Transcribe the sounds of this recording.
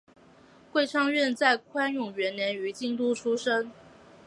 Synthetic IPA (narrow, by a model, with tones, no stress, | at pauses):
kwe˥˧ɪʈ͡ʂʰɑ˥˧ŋɥɛ˥˧nt͡sa˥˩ɪkʰwa˥njʊ˨˩ŋɥɛ˧˥nnjɛ˧˥ny˧˥t͡ɕi˥˧ŋt̪u˥˧ʈ͡ʂʰu˥ʂə˥ŋ